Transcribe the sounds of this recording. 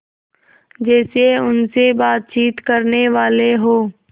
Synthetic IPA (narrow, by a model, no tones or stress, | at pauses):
d͡ʒɛːseʊnsebaːt̪̚t͡ʃiːt̪kɐɾneʋaːleɦoː